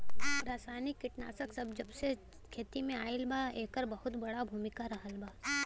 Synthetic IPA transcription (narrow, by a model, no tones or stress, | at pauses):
ɾaːsaːnɪkːɪʈna̰ːsəksɐbd͡ʒɐbse | kʰeːt̪imẽaːɪlbaːeːkəɾbɐɦʊt̪bɐɽabʱuːmɪkaɾɐɦəlbaː